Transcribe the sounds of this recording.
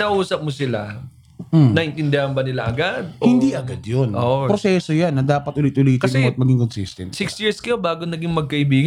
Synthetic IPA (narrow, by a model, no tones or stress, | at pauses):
nɐʔuːsɐp̚mosɪla | nɐʔɪnt̪ɪnd̪ɪhɐnbɐnɪlaʔɐɡad̪̚ʔohɪnd̪iʔɐɡad̪jonʔoːʔpɾosɛsojanːɐd̪aːpɐt̪ʔʊlɪt̪ʔʊliːt̪kɐɛɛmɐt̪̚mɐɡiŋkonsist̪ɛnsɪksjɪɹskɐjobaːɡonɐɡiŋmɐɡ̚kɐʔɪbiːɡɐ